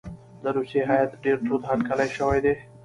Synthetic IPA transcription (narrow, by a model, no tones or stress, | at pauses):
d̪əɾuseɦajat̪ɖeɾt̪ut̪haɾkalajʃəwajd̪e